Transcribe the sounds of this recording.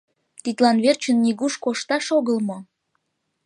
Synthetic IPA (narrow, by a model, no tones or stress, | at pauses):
t̪it̪lɑnβert͡ɕənːiɣuʃkoʃt̪ɑʃoɣəlmo